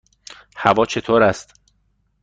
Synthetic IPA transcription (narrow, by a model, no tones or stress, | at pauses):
hævɒːt͡ʃʰe̞t̪ʰoːɾæst̪